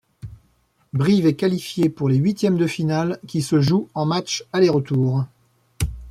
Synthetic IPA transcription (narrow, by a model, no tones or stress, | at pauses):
bʁivɛkalifjepuʁleɥit̪jɛmd̪əfinalkʲisəʒuɑ̃mat͡ʃaleʁət̪uːʁ